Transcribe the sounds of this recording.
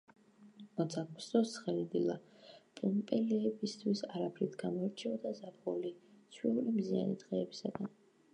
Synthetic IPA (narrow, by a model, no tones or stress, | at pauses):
mɔsʰak̚ʰsd̪ɔsχɛlid̪ilˠapʼumpʼɛlɛːbist̪ʰwisaɾapʰɾit̪ʰɡamɔɛɾt͡ʃʰɛɔd̪azabʰʁulit̪sʰwiulimzia̰nḭd̪ʁɛːbisaɡan